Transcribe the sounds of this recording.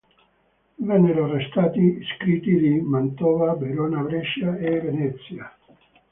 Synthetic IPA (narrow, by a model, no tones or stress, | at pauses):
beneɾorest̪at̪iskɾit̪iðimant̪oβabeɾonaβɾeʃjaeβenet͡sia